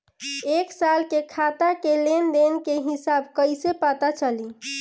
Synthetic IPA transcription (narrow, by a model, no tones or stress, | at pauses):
eksalkekʰat̪akelend̪enkeɦisabkəɪsepat̪at͡ʃəli